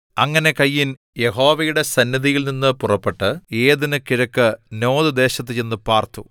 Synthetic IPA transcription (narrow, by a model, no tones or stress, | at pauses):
ɐŋːɐne̞kɐjːin | je̞ɦo̞ːʋɐjuɽe̞sɐnjɐðijilninːɨpurɐpːeʈːɨe̞ːðinɨkiɾɐkːɨno̞ːðɨd̪e̞ːɕɐt̪̬ːɨt͡ɕenːɨpaːrt̪u